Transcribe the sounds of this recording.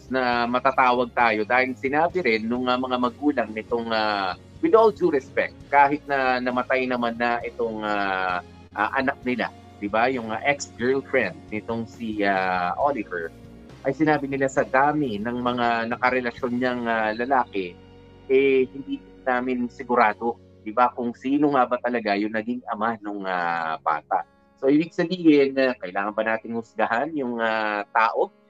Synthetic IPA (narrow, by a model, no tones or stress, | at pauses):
snɐmɐt̪at̪aːwɐɡ̚t̪aːjod̪aːhɪlsɪnaːbɪɾɪnːʊŋɐmɐŋamɐɡuːlɐŋnɪt̪o̞ŋa | wɪd̪ʔold͡ʒuɾɛspɛk̚t̪̚kaːɦɪt̪̚nɐnɐmɐt̪ajnɐmanːɐʔɪt̪o̞ŋa | ʔaʔɐnak̚nɪla̰ | d̪ɪbajʊŋaʔɛksɡɛɹlfɹɛnd̪̚nɪt̪o̞ŋsiaʔolɪvɛɹ | ʔɐjsɪnaːbɪnɪlasɐd̪aːmɪnɐŋmɐŋanɐkɐɾɛlɐʃo̞nɲɐŋalɐlaːkɛ | ʔɛhɪnd̪iːk | naːmɪnsɪɡʊɾaːd̪o̞ | d̪̥ɪbakʊŋsiːnoŋabɐt̪ɐlɐɡajʊŋnɐɡiŋʔɐmanoŋaba̰ːt̪a̰ʔ | so̞ʔibɪɡ̚sɐbiːhɪnɐkɐʔɪlaːŋɐnbɐnaːt̪ɪŋhʊsɡɐɦanjʊŋat̪aːʔoɡ̚